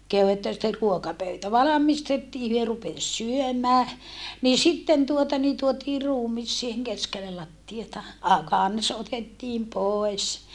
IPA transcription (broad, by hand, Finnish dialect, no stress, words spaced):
kehu etːæ sitːer ruokɑpøytæ ʋɑlɑmistetːiː hyø rupes syømæː niː sitːen tuotɑ ni tuotiː ruːmis siːheŋ keskelːel lɑtːiɑtɑ ɑ kɑns otetːiːm poes